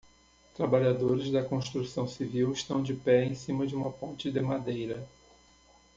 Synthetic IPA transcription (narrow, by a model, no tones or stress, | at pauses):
t̪ɾabaʎad̪oɾɪzd̪ɐkõst̪ɾusɐ̃w̃siviwɪʃt̪ɐ̃w̃d͡ʒɪpɛẽsĩmɐd͡ʒɪũmɐpõnt͡ʃɪd̪ɪmad̪ejɾɐ